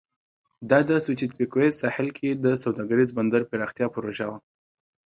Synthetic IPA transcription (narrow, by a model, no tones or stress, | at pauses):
d̪ɑd̪əsut͡ʃit̪pikwesɑhɪlkʰed̪əsawd̪ɑɡaɾizband̪aɾpəɾɑxt̪jɑpəɾoʒawa